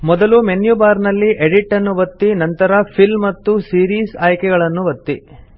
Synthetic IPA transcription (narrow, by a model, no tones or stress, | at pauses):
mɔd̪ɐlumenjubaːɾnɐlːiʔeɽiʈːɐnːuʋɐt̪ːinɐnt̪ɐɾɐpʰilmːɐt̪ːusiːɾiːsaːjkɛɡɐɭɐnːuʋɐt̪ːi